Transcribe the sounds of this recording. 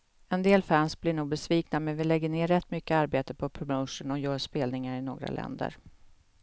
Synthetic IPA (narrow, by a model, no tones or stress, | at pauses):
ɛnd̪eːlfænsblɪɳuːɡ̚bɛsviːknamɛnvɪlɛɡːəɳeːɾɛt̪ːmʏkːəaɾbeːt̪əpʰɔpʰɾɔməwʂʊnɔjœːʂpeːlnɪŋaɾɪno̰ːɡɾa̰lʔɛ̰nd̪ə̰ɾ